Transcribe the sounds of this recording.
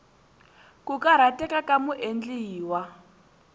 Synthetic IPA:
kukaɾatʼɛkʼakʼamuʔend͡ɮiːwa

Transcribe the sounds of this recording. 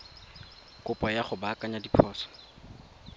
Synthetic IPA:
kʊpʼɔjaχʊbakʼaɲadipʰɔːsɔ̥

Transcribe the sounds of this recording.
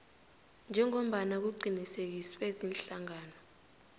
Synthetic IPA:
nd͡ʒʱɛŋom̩ɓanak̬uǃʱinisek̬iswezinɬaŋaːnɔ

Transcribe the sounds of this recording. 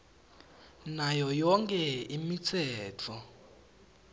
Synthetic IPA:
najɔjɔŋkʼɛimit͡sʰɛːtʰɔ

